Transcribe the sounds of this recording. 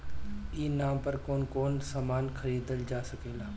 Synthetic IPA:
iːnaːmpɐɾkoːnkoːnsaːmaːnxʰɐɾiːd̪əld͡ʒaːsɐkeːlaː

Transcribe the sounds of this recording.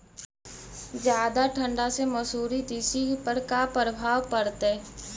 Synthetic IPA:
zjaːd̪aʈʰə̃ɳɖasemɐsuːɾid̪iːsipəɾkapɾəbʱaːʋpɐɾt̪e

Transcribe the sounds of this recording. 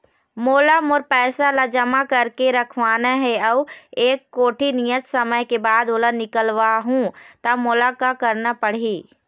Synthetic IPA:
moːlamoɾpɛːsalad͡ʒəmakɐɾkeɾəkʰʋaːnaɦɛəʋeːkːoːʈʰinijət̪səməjkebaːd̪oːlanɪkəlʋaɦũt̪amoːlakakəɾnapəɽ̤iː

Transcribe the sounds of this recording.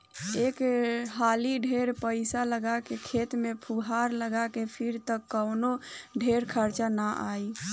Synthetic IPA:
ekɦaliɖʱeɾpəɪsaləɡakekʰet̪mepʰuɦaɾləɡakepʰiɾt̪əkːəwnoɖʱeɾkʰəɾt͡ʃanaʔaj

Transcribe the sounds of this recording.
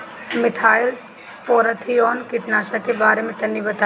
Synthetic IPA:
mɪt̪ʰaːɪl | pɔːɾət̪ʰiɔːnkɪʈnaːʃakebaːɾemẽt̪ɐnːibɐt̪aː

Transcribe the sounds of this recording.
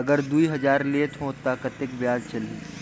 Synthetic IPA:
ɐɡəɾd̪uiɦɐd͡ʒaːɾleːt̪ɦõt̪akɐt̪ɪkbjaːd͡ʒt͡ʃɐliː

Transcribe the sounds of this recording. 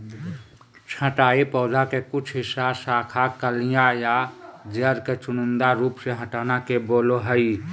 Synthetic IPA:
t͡ʃʰəʈaːipɔːdakekʊt͡ʃʰɦɪsasaːkʰakəlijajad͡ʒəɾket͡ʃʊnʊ̃nd̪aɾuːpseɦəʈaːnakeboːloɦəi

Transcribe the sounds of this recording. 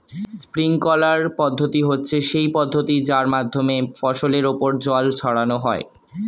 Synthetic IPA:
spɾiŋkɔlaɾpɔd̪ʱːot̪iɦotːɕʰeʃejpɔd̪ʱːot̪id͡ʑaɾmad̪ʱːomefɔʃoleɾopoɾd͡ʑɔlt͡ɕʰɔɽanoɦɔe

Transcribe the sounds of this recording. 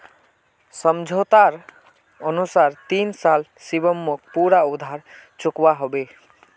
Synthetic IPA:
sʌmd͡ʒʱot̪aɾ | ʌnusaɾt̪insal | sibəmːok̚puɾaud̪ʱaɾ | t͡ʃukwaɦobe

